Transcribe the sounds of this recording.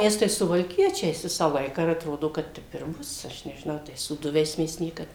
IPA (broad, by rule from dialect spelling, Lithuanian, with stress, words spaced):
ˈmʲɛs tɐɪ sʊʋɐlʲˈkʲiɛt͡ʃʲɛɪs ˈʋʲɪsɑː ˈlˠɐɪkɑː ɪr ɐtˈroːdoː ˈkɐt ˈtʲɛp ɪr ˈbʊs ˈɐʃ nʲɛʒʲɪˈnɐʊ ˈtɐɪs suːˈdʊʋʲɛɪs ˈmʲɛs ˈnʲiɛkɐt